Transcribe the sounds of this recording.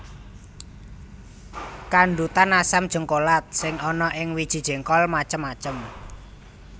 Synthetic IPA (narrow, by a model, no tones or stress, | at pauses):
kaɳɖut̪anasamd̥ʒ̥ə̤ŋkolat̪̚sɪŋɔnɔʔɪŋwid̥ʒ̥i̤d̥ʒ̥e̤ŋkɔlmat͡ʃəmːat͡ʃəm